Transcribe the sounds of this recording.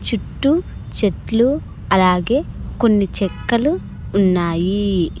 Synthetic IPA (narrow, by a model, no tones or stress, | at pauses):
t͡ʃuʈːut͡ʃeʈlu | ɐlaːɡe̞ːko̞nːit͡ʃɛkːɐluː | nːaːji